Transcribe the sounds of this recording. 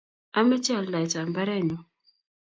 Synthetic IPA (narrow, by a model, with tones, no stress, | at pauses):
a˦me˦t͡ʃi˦a˨la˨jt͡ʃa˨mba˦ɾɛ˦˨nɔ˨